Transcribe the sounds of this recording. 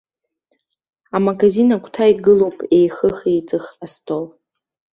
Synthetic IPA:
amaɡazinakʷʰtʰaiɡɨlowpʼejχəχijt͡sʼɨχastʰʼow

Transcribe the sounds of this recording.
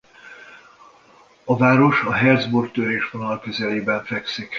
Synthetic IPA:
ɒvaːɾo̞ʃɒɦɛrd̪zborkt̪øɾeːʃvonɒlkøzɛleːbɛɱfɛksik

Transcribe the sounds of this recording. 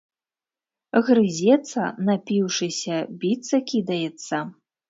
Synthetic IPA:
ɣɾɨzʲɛt̪sɐnapʲiwʂɨsʲɐbʲit̪sɐkʲid̪ɐjɛt̪sːɐ

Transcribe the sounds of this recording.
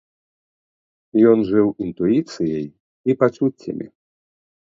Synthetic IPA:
jɔnʐɨwint̪uit̪sɨjɐj | ipat͡ʂut͡sʲːɐ̰mʲḭ

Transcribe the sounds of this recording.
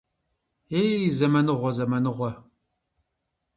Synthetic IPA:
ejizɐmɐnɨʁʷɔzɐmɐnɨʁʷɔ

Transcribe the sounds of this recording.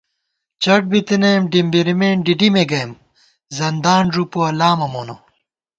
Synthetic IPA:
t͡ɕɐʈ̚bit̪inɐmɖimbiɾimeːɳɖiɖimeɡɐjm | zɐnd̪aːɳʐupuɐlaːmɐmoːno

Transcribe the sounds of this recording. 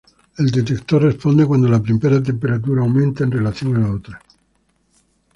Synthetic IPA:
e̞ld̪e̞t̪ekt̪orrespo̞nd̪ekwand̪olapɾimpeɾat̪e̞mpe̞ɾat̪̬uɾaːwmẽnt̪aenrelaθjo̞ŋalaot̪ɾa

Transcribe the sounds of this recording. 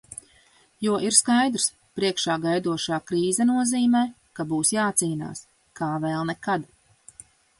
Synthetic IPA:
juɔʔiɾskajd̪ɾs | pɾiɛkʃaːɡajd̪uɔʃaːkɾiːzɛnuɔziːmɛː | kabuːsjaːt̪siːna̰ːs | kaːvɛlˠnɛkad̪

